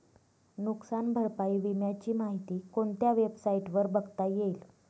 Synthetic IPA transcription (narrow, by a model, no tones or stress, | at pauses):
nuksanbʱəɾpaiʋimjat͡ɕiːmaɦit̪iːkoɳt̪jaʋebsaiʈʋəɾbəɡt̪ajeil